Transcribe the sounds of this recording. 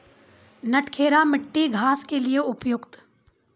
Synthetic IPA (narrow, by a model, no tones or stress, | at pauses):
nɐʈkʰeːɾamɪʈːiɡʱaːskelieʊpjʊkt̪